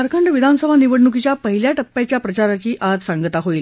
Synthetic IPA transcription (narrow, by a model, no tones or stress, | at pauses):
aɾkʰəɳɖəʋid̪ʱansəbʱaniʋəɽɳuk̬it͡ɕjapəɦiljaʈəpːjat͡ɕjapɾət͡ɕaɾat͡ɕiːʔad͡zsaŋɡət̪aɦoil